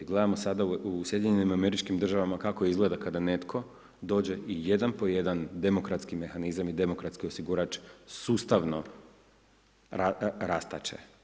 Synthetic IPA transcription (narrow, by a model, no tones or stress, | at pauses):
ɡled̪amo̞sad̪ausje̞d̪iɲenimame̞ɾit͡ʃkimd̪r̩ʒaʋamakako̞izɡle̞d̪akad̪ane̞t̪kʰo̞ | d̪o̞ːd͡ʑe̞ʔije̞d̪anpo̞je̞d̪and̪e̞mo̞kɾat̪skime̞xanizamid̪e̞mo̞kɾat̪skiosiɡuɾat͡ʃsuːst̪aʋno̞ | aɾast̪at͡ʃḛ